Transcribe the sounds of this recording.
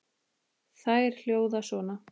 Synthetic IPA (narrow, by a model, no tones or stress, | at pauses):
θajɛɾ̥l̥joːwðasvɔːna